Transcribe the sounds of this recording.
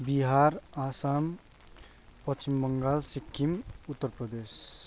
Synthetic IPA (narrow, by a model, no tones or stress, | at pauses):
biɦaɾasam | pʌt͡ʃimːəŋɡalsikʰːimut̪ːəɾpɾəd̪es